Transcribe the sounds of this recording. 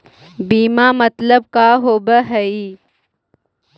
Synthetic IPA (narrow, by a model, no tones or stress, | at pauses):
biːmaːmɐt̪ləb̚kaːɦoːbəɦɐi